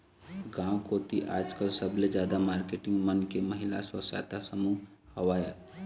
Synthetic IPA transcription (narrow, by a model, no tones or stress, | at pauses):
ɡãːwkoːt̪iʔaːd͡ʒkəlsəbled͡ʒjaːd̪amaːɾkeːʈɪ̃ŋɡmənkemɐɦɪla̰swəsa̰ːt̪asəmu | hɐʋaːja